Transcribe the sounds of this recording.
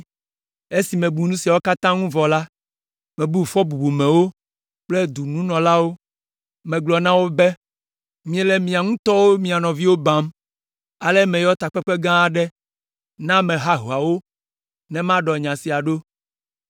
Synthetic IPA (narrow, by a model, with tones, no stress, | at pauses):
e˦si˨mɛ̃˨bu˨nũ˦si˨a˨wo˦ka˦t̪ã˦ŋũ˦vɔ˨la˦ | mɛ̃˨bu˦˨fɔ˦bu˨bu˨mɛ̃˨wo˦ | k͡plɛ˦d̪u˨nũ˦nɔ̃˨la˦wo˦ | mɛ̃˨ɡlɔ˨nã˦wo˦bɛ˦ | mĩ˦ɛ˦lɛ˦mĩ˨a˨ŋũ˦t̪ɔ˦wo˦mĩ˨a˨nɔ̃˨vi˦wo˦bã˨˦m | a˨lɛ˦mɛ̃˨jɔ˦t̪a˨k͡pɛ˦k͡pɛ˦ɡã˦˨ɖɛ˦ | nã˦mɛ̃˨ɦa˦ɦu˨a˨wo˦ | nɛ̃˨mã˦ɖɔ˨ɲã˨si˨a˨ɖo˦